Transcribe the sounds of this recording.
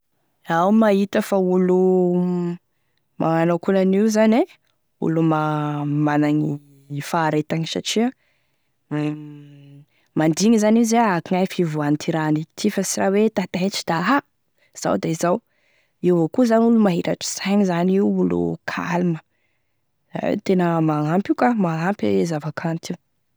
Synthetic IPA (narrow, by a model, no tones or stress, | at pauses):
awmaɦit̪əfaulu | mʔaanakunaniuzane | ṵlumamanaɲi | faːɾet̪aŋisa̰ʈ͡ʂia | mand̪iŋizaniuzeakiŋajfivuanit̪ʰiɾanit̪ʰifəsirawet̪at̪aeʈ͡ʂi̥d̪̥aɦa | z̥a̰wd̪aizaw | iwvokuzanulumaɦiɾaʈ͡ʂi̥sajɲizaniuulṵkʰa̰lumə | a̰t̪enəmaampikamaampḛzavakʰant̪i